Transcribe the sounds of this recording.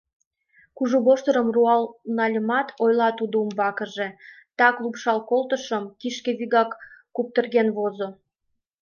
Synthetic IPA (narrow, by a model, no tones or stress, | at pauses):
kuʒuβoʃt̪əɾəmruɑlnɑlʲəmɑt̪ʰojlɑt̪ud̪oumbɑkəʒe | t̪ɑklupʃɑlkolt̪əʃəmkiʃkeβiɣɑkː | up̚t̪ərɣenβozo